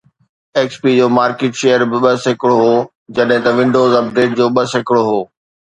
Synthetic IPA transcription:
eːkspid͡ʑoːmaːɾkeːʈʃeːjəɾbɪɓɐsɪkɪɽoɦoː | d͡ʑɐɗɦɪ̃t̪ɐʋɪ̃ɳɖoːzɐp̚ɖeːʈ̚d͡ʑoːɓɐsɪkɪɽoɦoː

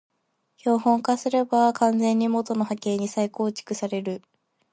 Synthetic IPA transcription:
ço̞ːhõ̞ŋkasɨɾe̞bakãnd͡zẽ̞ɲ̟ːimo̞t̪o̞no̞hake̞ːɲ̟isaiko̞ːt͡ɕi̥kɯ̟saɾe̞ɾɯ̟

